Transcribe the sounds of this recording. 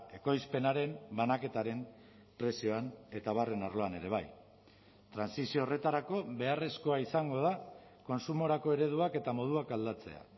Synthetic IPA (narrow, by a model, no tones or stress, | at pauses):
e̞ko̞jspe̞naɾe̞mbanake̞t̪aɾe̞m | pɾe̞sio̞ane̞t̪aβ̞are̞naɾlo̞ane̞ɾe̞β̞aj | t̪ɾansisio̞ːre̞t̪aɾako̞βe̞are̞sko̞aisaŋɡo̞ð̞a | ko̞nsumo̞ɾako̞e̞ɾe̞ð̞uake̞t̪amo̞ð̞uakald̪at͡se̞̰a̰